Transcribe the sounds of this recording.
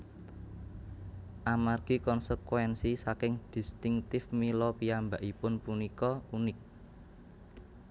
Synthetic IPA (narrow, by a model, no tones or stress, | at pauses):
ʔamarɡ̥i̤kɔnsəkwɛnsisakɪŋd̪̥i̤st̪ɪŋt̪ɪfmilɔpiambaʔipʊnpunikɔunɪk̚